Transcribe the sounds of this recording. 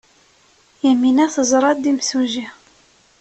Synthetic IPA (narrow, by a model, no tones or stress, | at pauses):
jæminæθəzˤɾˤɑd̪imsuʒi